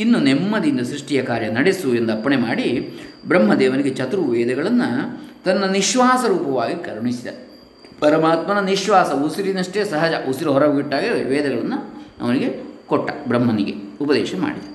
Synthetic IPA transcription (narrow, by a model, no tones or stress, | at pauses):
inːunemːɐd̪ind̪ɐsɾiʂʈijɐkaːɾjɐnɐɽesuend̪ɐpːɐɳemaːɽi | bɾɐmːɐd̪ɛːʋɐniɡet͡ʃɐt̪ɾuʋɛːd̪ɐɡɐɭɐnːɐt̪ɐnːɐniʃʋaːsɐɾuːpɐʋaːɡikɐɾɳisid̪ɐ̰ɾe | pɐɾɐmaːt̪mɐnɐniʃʋaːsɐusiɾinɐʂʈeːsɐɦɐd͡ʒɐusuɾɐɦɔɾɐɡbiʈːaːɡiʋɛːd̪ɐɡɐɭɐnːuɐ̰ʋɐniɡe̞kɔʈːɐbɾɐmːɐniɡḛupɐd̪ɛ̰ːʃɐma̰ːɽid̪ɐɾ